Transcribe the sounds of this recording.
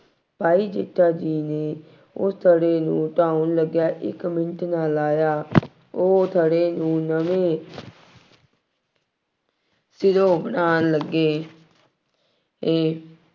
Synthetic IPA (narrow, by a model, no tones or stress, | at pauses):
paːiːd͡ʒeʈʰːaːd͡ʒiːneː | ʊst̪ʰəɽeːnũːʈaːunləɡjaːʔɪ̰kmɪnəʈʰnaːlaːjaː | oːt̪ʰəɽeːnũːnəʋẽː | sɪd̪õːbəɽaːnləɡːeː | eː